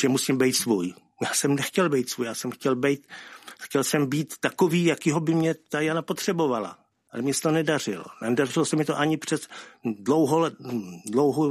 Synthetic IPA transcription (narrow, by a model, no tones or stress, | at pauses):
ʒɛmusiːmbɛjt̪svuːj | jaːsɛmnɛxcɛlbɛjt̪svuːjaːsɛmxcɛlbɛjt̪xcɛlsɛmbiːt̪ːakoviːjakiːɦobɪmɲɛt̪ajanapo̞t̪r̝̥ɛbo̞vala̰ | ʔalɛmɲɛsɛ̥t̪onɛdarɪlo̰ndarɪlosɛmɪt̪oʔaɲɪpr̥ɛzdlowɦolɛdlowɦo